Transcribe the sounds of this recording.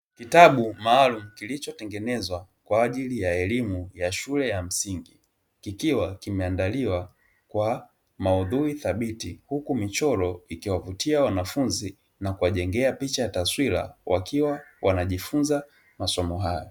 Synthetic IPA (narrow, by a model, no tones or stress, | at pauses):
kitaɓumaːlum̩kilit͡ʃɔtɛŋɡɛnɛzwa | kwaːʄilijaɛlimujaʃulɛjam̩siŋɡi | kikiwakimɛandaliwa | kwa | mauðuiθaɓitihukumit͡ʃɔɾɔikiwavutiawanafunzi | nakuwaʄɛŋɡɛapit͡ʃajataswila̰wʔa̰kʰiwawʔanaʄifunza | masɔmɔɦajɔ